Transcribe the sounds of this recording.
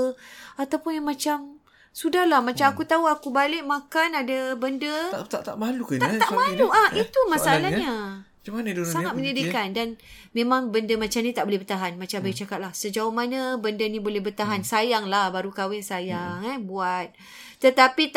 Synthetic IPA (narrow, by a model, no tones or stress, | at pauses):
at̪awpʊnjaŋmat͡ʃam | sudahlahmat͡ʃamakut̪auakubalɪʔ̚mãkanadabəndət̪at̪aʔmalukaaaʔmaluʔait̪umasaalahɲa | mansaŋat̪̚məɲadikandan | memãŋbəndəmat͡ʃamnit̪aʔbolɛɦbərt̪aɦanmat͡ʃambajt͡ʃakat̪̚lahsəd͡ʒaomanãbəndənibolɛhbərt̪aɦansajaŋlahbaɾukawɛŋsajaŋɛbuat̪̚ː | ət̪apit̪